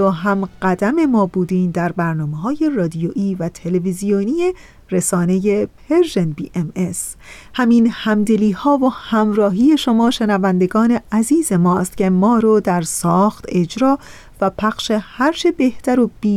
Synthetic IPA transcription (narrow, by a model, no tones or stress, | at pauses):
ɔːɦæmɢ̥æd̪æme̞mɒːbuːd̪iːnd̪æɾbæɾnɒːmeɦɒːje̞rɒːd̪ijoʔiːvæt̪ʰe̞levizijoniːje | ɾesɒːne̞jepʰeɾʒenbiːʔemes | hæmiːnhæmd̪e̞liːhɒːvohæmɾɒːɦiːje̞ʃomɒːʃe̞nævænd̪e̞ɡɒːne̞æziːze̞mɒːst̪cʰe̞mɒːɾod̪æɾsɒːxt̪e̞d͡ʒɾɒː | væpʰæχʃe̞hæɾt͡ʃʰe̞be̞ht̪æɾob̥iː